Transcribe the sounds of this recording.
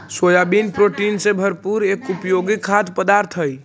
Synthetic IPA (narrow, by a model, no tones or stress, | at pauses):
sojabinpɾoʈinsẽbʱəɾpuɾekupjoɡikʰːad̪pəd̪aɾt̪ʰɦəj